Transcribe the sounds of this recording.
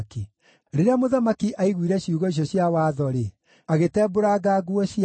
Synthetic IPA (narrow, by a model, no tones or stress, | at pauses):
ki | ɾeɾeamoðamakiʔaiɣwiɾɛɕiuɣɔiɕ̬jɔɕjawaːðɔɾe | aɣetɛːboɾaɡaːɡuɔɕi